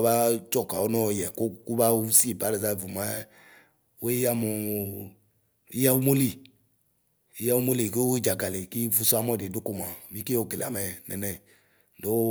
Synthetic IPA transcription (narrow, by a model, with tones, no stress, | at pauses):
ba˦t͡ʃɔ˦˨ka˨ɔ˦nɔ˦˨jɛ˨ko˦ku˦ba˦u˦si˦˨ba˦le˨za˦˨vu˨ma˦ | o˦i˦ja˦mo˨ | i˦ja˦u˦mo˦li˦˨ | i˦ja˦u˦mo˦li˨ke˦i˦d͡ʒa˨ɡa˨le˨ki˦vu˦su˦a˦mɔ˦˨de˨du˦ko˦m˨a˨mi˦ke˦o˦˨ɡe˨la̰˨mɛ˨nɛ̰˨nɛ˦˨ | do˦